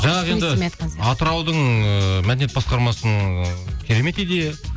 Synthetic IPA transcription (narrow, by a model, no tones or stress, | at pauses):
ʒɑɴɑʁend̪ɪmɑt̪əɾɑwd̪əɴəmæd̪enet̪̚bɑsqɑɾmɑsəɴkʲʰeɾe̞me̞t̪ed̪e